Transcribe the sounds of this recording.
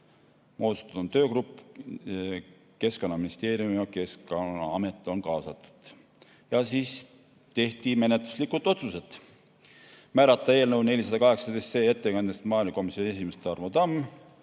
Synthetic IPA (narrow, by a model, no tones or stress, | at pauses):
mo̞ːt̪u̥st̪ɑd̪̥ont̪ø̞ːkrupːˑ | ke̞sko̞nːɑminist̪e̞ːɾjumiɑke̞skɑɑmet̪ːˑo̞nkɑːsɑt̪ːˑu̥d̪̥ | jɑsiːs | t̪e̞ht̪ime̞net̪lu̥slikːut̪ːˑo̞t̪suse̞t̪ | mæːɾɑt̪ːˑɑe̞ːlnəwne̞lʲisɑd̪ɑkɑɦe̞ksɑd̪est̪se̞ːet̪ːekɑnd̪est̪mɑːjlɑko̞misjoniesimest̪ːeɑrvod̪ɑmː